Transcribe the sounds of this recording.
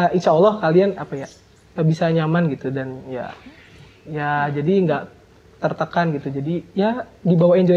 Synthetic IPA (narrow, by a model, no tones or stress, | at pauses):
əinʃaɔlːɔhkalianapaja | pəbisaɲamanɡit̪udanja̰ | jad͡ʒadiŋɡaʔ | t̪ərt̪əkanɡit̪ud͡ʒadijadibawaɛɲd͡ʒo